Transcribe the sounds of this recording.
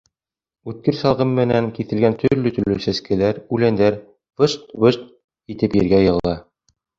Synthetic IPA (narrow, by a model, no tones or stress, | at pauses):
ʉt̪̚kɘɾsɑlˠʁɤmːɘ̆næŋkiθɘ̆lɡænt̪ʰɵ̆ɾlɵt̪ɵ̆ɾlɵsæskɘ̆læɾʉlænd̪æɾ | vɤʃt̪bɤʃt̪̚ | kit̪ɘpjɘ̆ɾɡæjɤ̆ʁɤ̆lˠɑ